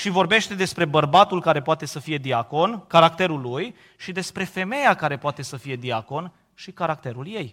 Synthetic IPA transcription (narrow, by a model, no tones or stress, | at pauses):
ʃivo̞rbe̞ʃt̪e̞d̪e̞spɾe̞bərbat̪ulkaɾe̞poat̪e̞səfije̞d̪iako̞nkaɾakt̪e̞ɾulːuj | ʃid̪e̞spɾe̞fe̞me̞jakaɾe̞poat̪e̞səfije̞d̪iako̞n | ʃikaɾak̚t̪e̞ɾulje̞j